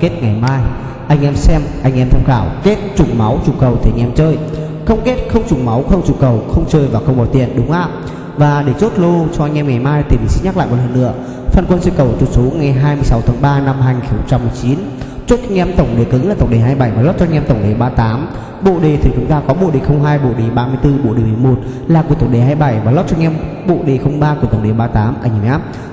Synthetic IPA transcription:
ke˦˥t̚ŋa˨˩jmaː˧j | ʔa˧jŋ̟ʔɛ˧msɛ˧mʔa˧jŋʔɛ˧mt̪ʰɛ˧mxaː˧˩wke˦˥t̚t͡ɕʊ˨˩ŋ͡mma˨˦wt͡ɕu˨˩kə˨˩wt̪ʰe˧˩ŋʔɛ˧mt͡ɕəː˧j | xə˧wŋ͡mke˦˥t̚xə˧wŋ͡mt͡ɕʊ˨˩ŋ͡mma˨˦wxə˧wŋ͡mt͡ɕu˨˩kə˨˩wxə˧wŋ͡mt͡ɕəː˧jvaː˨˩xə˧wŋ͡mɓaː˨˩t̪ḭ˧˩ənɗʊ˨˦ŋ͡mʔaː˧˨m | vaː˨˩ɗe˧˩t͡ɕo˦˥t̚lo˧t͡ɕɔ˧ʔa˧jŋ̟ʔɛ˧mŋa˨˩jmaː˧jt̪i˨˩mi˨˩ŋsḭ˧˦ɲa˦˥k̚l̰ːjmo˨˩ləː˧˩nːɨ̰˧˩ə | fəː˨˩nkwə˧nsɨ̰˧kə˨˩wt͡ɕʊ˨˩t̚so˨˦ŋa˨˩jɦaː˧jmɨ˧əjsa˨˦wt̪ʰaː˨˦ŋɓaː˧na˧mɦaː˧jɲi˨xə˧ŋ͡mt͡ɕa˧mːɨ˨˩əjt͡ɕi˨˦n | t͡ɕo˦˥t̚ŋɲɛ˧mt̪ə˧˩wŋ͡mɗe˨˩kɨ˨˦ŋlaː˨˩t̪ə˨˩w̚ɗe˨˩ɦaː˧jɓa˧˩jvaː˨˩lɔ˦˥t̚t͡ɕɔ˧ŋɛ˧mt̪ə˧˩wŋ͡mɗe˨˩ɓaː˧t̪aː˨˦m | ɓo̰˧˨ɗe˨˩t̪ʰi˨˩t͡ɕʊ˨˦ŋ͡mt̪aː˧kɔ˨˦ɓo̰˧˨ɗe˨˩xə˧wŋ͡mɦaː˧jɓo̰˧˨ɗe˨˩ɓaː˧mɨ˧əjt̪ɨ˧ɓo̰˧˨ɗe˨˩m˨˩mo˨˩t̚ | laː˨˩ku˧˩ət̪ə˧˩ɗe˨˩ɦaː˧jɓa˧˩jvaː˨˩lo˦˥t̚t͡ɕɔ˧ŋɛ˧m | ɓo̰˧˨ɗe˨˩xə˧wŋ͡mɓaː˧ku˧˩əə˨˩˨ɗe˨˩ɓaː˧t̪aː˨˦mʔəː˧˩ŋ˨˩ʔaː˦˥p̚

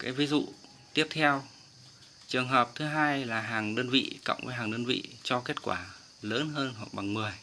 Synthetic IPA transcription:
kaː˨˦jvi˨˦zṵ˧˨ | t̪i˦˥əp̚t̪ʰɛ˧w | t͡ɕɨ˨˩əŋɦəː˨˩p̚t̪ʰɨ˨˦ɦaː˧jlaː˨˩ɦaː˨˩ŋɗəː˧nvḭ˧˨kə̰˧˨wŋ͡mvə̰ː˨˦jɦaː˨˩ŋɗəː˧nvḭ˧˨t͡ɕɔ˧ke˦˥t̚kwaː˧˩ | ləː˨˦nɦəː˧nhwa˨˩k̚ɓa˨˩ŋmɨ˨˩əj

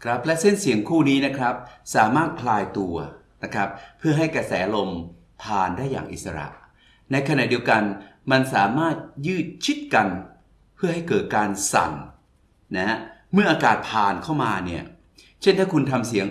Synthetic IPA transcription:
kʰɾa˦˥p̚lɛ˦˥se˥˩nsi˨˩˦əŋkʰuː˥˩niː˦˥na˦˥kʰɾa˦˥p̚saː˨˩˦maː˥˩t̪̚kʰlaː˧jt̪u˧ɐ | na˦˥kʰɾa˦˥p̚ʰːɯ˥˩ɐɦa˥˩jkɾa˧sɛː˩˦˧lo˧m | pʰaː˧ndaː˥˩jːa̰ː˨˩ŋʔi˨˩sa˧ɾa̰˨˩ʔ | na˧jkʰa˧na̰˨˩ʔdi˧əwka˧nma˧nsaː˩˦maː˥˩t̪̚jɯː˥˩t̪̚t͡ɕʰi˦˥t̪̚ka˧n | pʰɯ˥˩ɐɦa˥˩jkɤː˨˩t̪̚kaː˧nsa̰˨˩nː | a˦˥ha˦˥mɯ˥˩ɐʔaː˧kaː˨˩t̪̚pʰaː˨˩nkʰa˥˩wmaː˧ni˥˩ɐ | t͡ɕʰe˥˩nt̪ʰaː˥˩kʰu˧nt̪ʰa˧msi˨˩˦əŋ

